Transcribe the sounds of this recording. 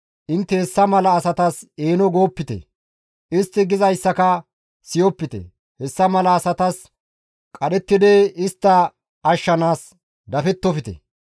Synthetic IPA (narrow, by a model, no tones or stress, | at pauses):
ʔɪnt̪ːɛhɛsːɐmɐlɐːsɐt̪ɐseːnɔɡo̞ːpːɪt̪ɛ̰ | ɪst̪ːɪɡɪzɐjsːɐkɐ | sɪjɔpːɪt̪ɛ̰ | hɛsːɐmɐlɐːsɐt̪ɐs | kʼɐɗɛt̪ːɪd̪eɪst̪ːɐ | ɐʃːɐnaːs | d̪ɐfɛt̪ːɔfɪt̪ɛ̰